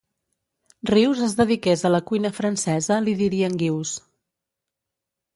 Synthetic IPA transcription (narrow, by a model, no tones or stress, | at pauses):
riwzəzðəðikezələkujnəfɾənsɛzəliðiɾiəŋɡiws